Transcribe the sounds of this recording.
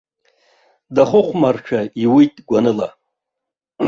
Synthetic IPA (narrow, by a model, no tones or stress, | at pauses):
daχʊχʷʰmarʈ͡ʂʰaiwitʼɡʷanɨla